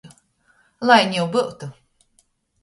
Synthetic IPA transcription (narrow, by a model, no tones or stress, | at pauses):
lˠajnʲjɛwbɨwt̪u